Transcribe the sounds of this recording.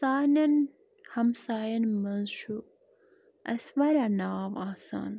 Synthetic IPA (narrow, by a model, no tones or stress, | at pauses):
saːnɐn | hɐmsaːjɐnmɐnʃu | ɐ̰sʋɐɾanaːʋaːsa̰ːn